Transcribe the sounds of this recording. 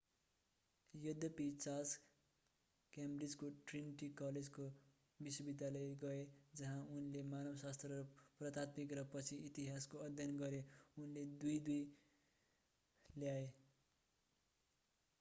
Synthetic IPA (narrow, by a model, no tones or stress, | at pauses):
jʌd̪ʱjʌpit͡sas | kambrid͡zkoʈrinʈikʌled͡zko | biswʌbid̪ʱjalʌjɡʌed͡zʌɦãunlemanʌbʌsast̪rʌrprʌt̪at̪̚bikrʌpʌt͡sʰiit̪iɦaskoʌd̪ʱjʌnɡʌɾeunled̪ujd̪uj | ljae